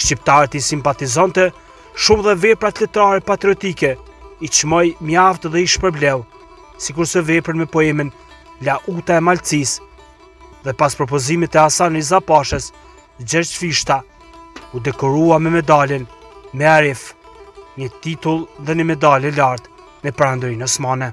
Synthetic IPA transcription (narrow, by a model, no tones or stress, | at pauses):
ʃt͡ɕip̚t̪aɾɛt̪isimpat̪izant̪ɛ | ʃumðɛvɛpɾat̪lɛt̪ɾaɾɛpat̪ɾiɔt̪ikɛ | it͡ʃmɔjmaft̪ðɛiʃpɛɾblɛw | sikuɾsɛvɛpɾənmɛpɔɛmən | laʔut̪aɛmalt͡sis | ðɛpaspɾɔpɔzimɛt̪ɛasanizapaʃɛs | d͡ʑɛɾt͡ʃfiʃt̪a | ud̪ɛkɔɾuamɛmɛd̪alɛnmɛaɾɛf | ɲət̪it̪ulˠðɛɲəmɛd̪alɛlaɾt̪ | mɛpɾand̪ɾinɔsmanɛ